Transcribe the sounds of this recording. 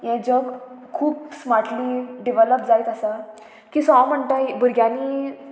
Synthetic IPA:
jɛ̃d͡ʑəkkʰuːp̚smaɾʈliɖiʋələp̚d͡zajt̪asa | kiːsɔməɳt̪abuɾɡjãni

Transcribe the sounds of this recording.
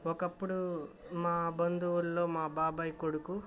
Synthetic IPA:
ɔkɐpːuɽu | maːbɐnd̪uwullo̞ːmaːbaːbɐjkoɽuku

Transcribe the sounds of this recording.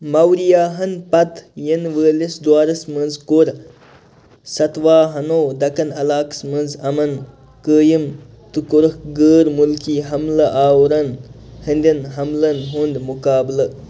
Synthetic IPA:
mɐwɾijaːɦɐnpɐt̪jənʋəːlisd̪waːɾɐsmɐnzkoɾ | sɐt̪ʋaːɦɐnoːd̪ɐkɐnɐlaːksmɨnzɐmɐn | kəːjim | t̪ɨkoɾɐhɡəːɾmulkiːɦɐmlɐʔaːwɾɐnhɐnʲd̪ʲinɦɐmlɐnɦund̪mukaːblɐ

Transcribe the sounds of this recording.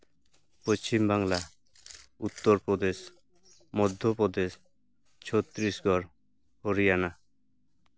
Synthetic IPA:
post͡ʃimbaŋla | ut̪ːɔɾpɾɔd̪es | mɔd̪ʱːjopɾɔd̪es | t͡ʃʰot̪ɾisɡʱɔɾ | hoɾijana

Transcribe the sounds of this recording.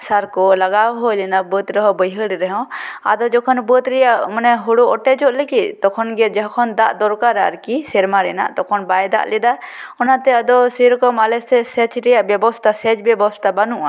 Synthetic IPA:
saɾkɔlaɡawɦɔlɛnabət̪ɾɛɦɔbəjɦəɽiɾɛɦɔ̃a̰d̪ɔd͡ʒɔkʰɔnbət̪ɾɛjaʔmɔnɛɦuɽuɔʈɛd͡ʒɔʔlekit̪̚t̪ɔkʰɔnɡɛd͡ʒɛɦɔkʰɔnd̪aʔd̪ɔɾkaɾaɾkisɛɾmaɾɛna̰ʔt̪ɔkʰɔnbajd̪a̰ʔlɛd̪aɔnat̪ɛad̪ɔsiɾɔkɔmalɛsɛsɛt͡ʃɾɛjaʔbjɛbɔst̪ʰasɛt͡ʃbjɛbɔst̪ʰabanuʔa̰

